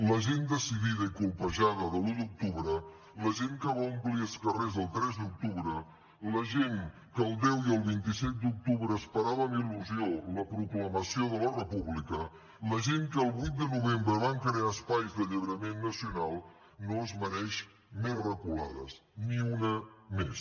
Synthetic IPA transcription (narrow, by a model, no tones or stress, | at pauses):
ləʒend̪əsiðiðəikulˠpəʒaðəðəlud̪uk̚t̪uβɾə | ləʒeŋkəβaumpliəlˠskərezðəlˠt̪ɾɛzd̪uk̚t̪uβɾə | ləʒeŋ | kəəlˠd̪ɛwiəlˠβint̪isɛt̪̚d̪uk̚t̪uβɾəːspəɾaβəmiluzioləpɾukləməsioðələrəpuβlikə | ləʒeŋkəːlˠβujt̪̚d̪ənuβembɾəβaŋkəɾeaəspajzðəʎəβɾəmenːəsiunalˠ | noəzmənɛʃ | merəkula̰ðə̰sniunəmes